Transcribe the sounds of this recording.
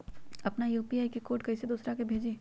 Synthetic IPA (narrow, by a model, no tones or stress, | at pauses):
ɐpnajuːpiaːikikoːʈ̚kɐised̪uːsɾakebʱeːd͡ʒiː